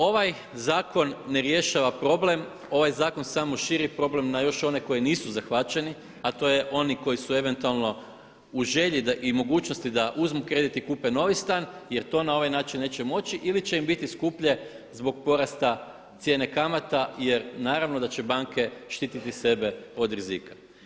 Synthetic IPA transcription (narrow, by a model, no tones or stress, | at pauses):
o̞ʋaj | zaːko̞nːeɾje̞ʃaʋapɾo̞ble̞m | o̞ʋajzaːko̞nsamoʃiɾipɾo̞ble̞mnajo̞ʃo̞ne̞ko̞jiniːsuzaxʋat͡ʃe̞ni | at̪o̞jeʔo̞niko̞jisue̞ʋe̞nt̪ualˠno̞ | uʒe̞ʎid̪aʔimo̞ɡuːt͡ʃno̞st̪id̪aʔuzmukɾe̞ːd̪it̪ikuːpeno̞ʋist̪aːnje̞ɾt̪o̞ːnao̞ʋajnaːt͡ʃinːe̞ːt͡ɕemo̞t͡ɕiʔilit͡ɕe̞imbit̪iskupʎe̞ | zbo̞ɡ̚po̞ɾast̪a | t̪sjene̞kamat̪aje̞ɾnaːɾaʋnod̪at͡ɕe̞baŋke̞ʃt̪iːt̪it̪ise̞be̞o̞d̪ɾizḭkḁ